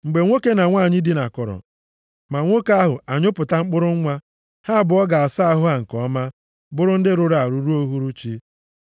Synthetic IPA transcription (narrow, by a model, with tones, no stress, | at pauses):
ŋ͡m̩˨ɡ͡be˨ŋʷo˦ke˦na˨ŋʷa˦˨ɲɪ˦dɪ˦na˨kɔ˨ɾɔ̰˨ | ma˨ŋʷo˦ka˦ɦʊ˨a˨ɲʊ˦pʊ˨ta˦ŋ͡m̩˦k͡pʊ˦ɾʊ˦ŋ̩˦ŋʷa˦ | ha˦a˨bʊ˨˦ɔ˦ɡa˨a˨sa˦a˦ɦʊ˦a˨ŋ̩˨kɔ˦ma˦ | bʊ˦ɾʊ˦n̩˦dɪ˦ɾʊ˦ɾa˨ɾu˨ɾu˦o˦ɦu˦ɾu˦t͡ʃi˦